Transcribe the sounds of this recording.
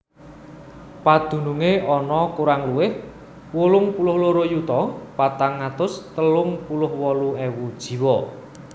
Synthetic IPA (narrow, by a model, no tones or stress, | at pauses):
pad̪̥ṳnuŋeʔɔnɔkuɾaŋluwɪh | wulʊŋpulʊhloɾojut̪ɔpat̪aŋːat̪ʊst̪əlʊŋpulʊhwɔluewud̥ʒ̥i̤wɔ